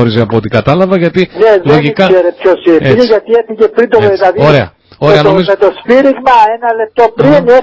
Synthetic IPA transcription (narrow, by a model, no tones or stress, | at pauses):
oɾizeɐpoot̪ikɐt̪ɐlɐvɐʝɐt̪ineðlo̞ʝikɐeɾepçosieeeʝɐt̪ieθiʝepɾind̪ooðilɐðioɾe̞ɐ̰ | oɾeɐno̞mizomet̪ospiɾiɣmɐenɐle̞p̚t̪opɾine